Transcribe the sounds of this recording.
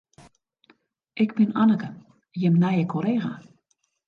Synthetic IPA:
ʔɪkbɪnanəkə | jɛmnajəkʰoleːɣa

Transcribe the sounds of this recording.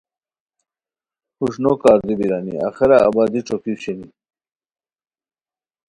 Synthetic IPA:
huʂnokaːɾd̪ibiɾaːnḭa̰xeɾa̰ːbaːd̪iʈ͡ʂokiwɕeni

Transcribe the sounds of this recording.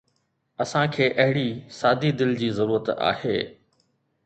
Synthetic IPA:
ɐsãkʰeːʔɐɦɪɽisaːd̪ʱid̪ɪld͡ʑiːzɐɾuːɾət̪a̰ːheː

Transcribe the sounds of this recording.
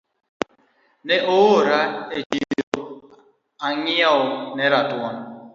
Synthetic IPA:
neʔooɾaed͡ʒio | aŋiaonɛɾatwan

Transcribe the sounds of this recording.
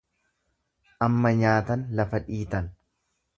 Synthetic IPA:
ʔɐmːɐɲaːt̪ɐnlɐfɐᶑiːt̪ɐn

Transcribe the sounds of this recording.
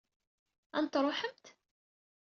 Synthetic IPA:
æ̰nt̪ɾˤoħəmt̪

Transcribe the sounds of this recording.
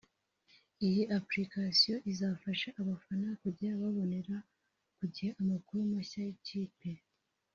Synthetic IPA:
ijiʔapɾikasijo̞ʔizafaʃaʔaβafanakuɟiɾaβaβo̞ne̞ɾa | kuɟiheʔamakuɾumaçaiciːpe̞

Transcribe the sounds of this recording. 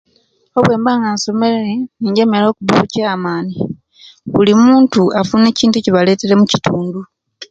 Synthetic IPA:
o̞βwe̞ːmbaːŋɡanso̞me̞leeniːɲɟe̞ːme̞lo̞ːkuβuucaːmaːni | βulimuːntuafune̞ːciːntueciβale̞tele̞muci̥tuːndu

